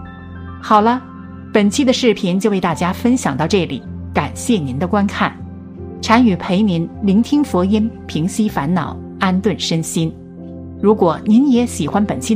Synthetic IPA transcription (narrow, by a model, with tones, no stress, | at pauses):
xɑ˨˩ʊlə˦ | pə˨˩nt͡ɕʰi˥d̪ə˨ʂɻ̩˥˩pʰi˧˥nt͡ɕjo˥˧ʊwe˥˧ɪt̪a˥˩t͡ɕja˥fə˥nɕjɑ˨˩ŋt̪ɑ˥˧ʊʈ͡ʂɤ˥˩lḭ˨˩˦ka˨˩nɕjɛ˥˩ni˧˥nd̪ə˨˧kwa˥nkʰa˥˩n | ʈ͡ʂʰa˧˥ny˨˩pʰe˧˥ɪni˧˥nli˧˥ŋt̪ʰi˥ŋfɔ˧˥i˥npʰi˧˥ŋɕi˥fa˧˥nnɑ˨˩˦ʊ | a˥nt̪wə˥˩nʂə˥nɕi˥n | ɻu˧˥kwɔ˨˩ni˧˥njɛ˧˥ɕi˨˩xwa˥npə˨˩nt͡ɕʰi˥